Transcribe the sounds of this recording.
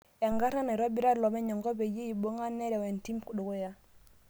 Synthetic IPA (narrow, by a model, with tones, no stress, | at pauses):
ɛ˨ŋɡa˦ɾa˦ne˨ɾa˦bi˦ɾa˦ɾlɔ˨mɛ˦ɲɔ˨ŋɡɔ˦be˨je˦i˨bo˦ŋa˦nːɛ˦ɾɛ˨wɛ˨nti˦mku˨ɗu˨ko˦ja˦